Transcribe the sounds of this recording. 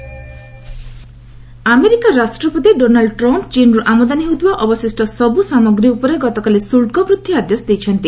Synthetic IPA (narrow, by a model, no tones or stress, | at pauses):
ameɾikaɾasʈɾɔpɔt̪iɖonaɭɖʈɾɔmpt͡ʃinɾɔʔamɔd̪aniɦud̪waʔɔbɔsisʈɔsɔbusamɔɡɾiupɔɾeɡɔt̪ɔkalisulʈkɔbɾud̪ʰʱːiad̪jɔsɔd̪ejt͡ʃʰɔnt̪i